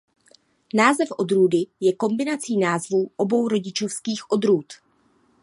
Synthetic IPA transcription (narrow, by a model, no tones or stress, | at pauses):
naːzɛfʔo̞d̪ɾuːdɪjɛko̞mbɪnat͡siːnaːzvuːʔo̞bo̞wɾo̞ɟɪt͡ʃo̞fskiːxʔo̞d̪ɾuːt̪